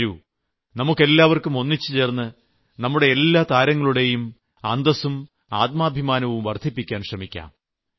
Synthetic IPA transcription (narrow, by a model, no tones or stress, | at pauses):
ɾu | nɐmukːe̞lːaːʋɐrkumo̞nːit͡ɕːɨt͡ɕe̞ːrnːɨ | nɐmːuɽe̞ːlːaːt̪aːɾɐŋːɐɭuɽe̞jum | and̪ɐsum | aːt̪̚maːbʱimaːnɐʋumʋɐrd̪ʱipːikʲːaːnɕrɐmikʲːa̰ːm